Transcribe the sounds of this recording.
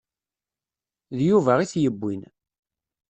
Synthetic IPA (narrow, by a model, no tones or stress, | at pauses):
ðjuvæʁiθjəbʷːin